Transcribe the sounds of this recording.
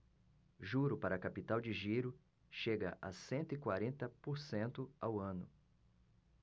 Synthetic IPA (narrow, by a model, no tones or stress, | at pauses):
ʒuɾʊpaɾɐkapit̪awd͡ʒɪʒiɾʊ | ʃeɡɐ̰ʔa̰sẽnt̪ʊikwaɾẽnt̪ɐpoɾsẽnt̪ʊawɐ̃nʊ